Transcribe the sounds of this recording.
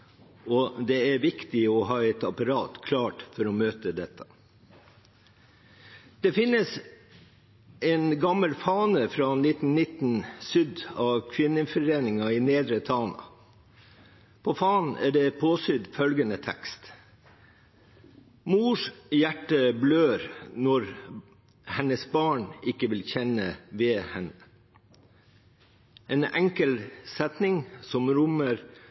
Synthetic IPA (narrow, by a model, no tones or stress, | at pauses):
ɔd̪ɛæɾʋɪkt̪ɪɔɦɑːɛt̪ɑpɑɾɑːt̪kʰlɑːʈfɔɾɔmøːt̪əd̪ɛt̪ʰːɑ̥ | d̪̥ɛfɪnːəs | ɛnɡɑmːəlfɑːnəfɾɑnɪt̪n̩nːɪt̪n̩sʏd̪ɑʋkʰʋɪnːəfɔɾeːnɪŋɑɪneːd̪ɾət̪ʰɑːnɑ̰ | pʰoːfɑːnæ̰ːɖɛpʰoːsʏd̪fœlɡənət̪ʰɛ̰kst̪ | muːʂjæʈːəbløːɾnɔɾ | hɛnəsbɑːɳɪkːəʋɪlçɛnəʋeːhɛnə | ʔeːnæŋkəlsɛt̪nɪŋsɔmɾʊməɾ